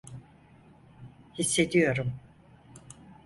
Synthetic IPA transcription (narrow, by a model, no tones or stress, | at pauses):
hisːe̞d̪ijo̞ɾum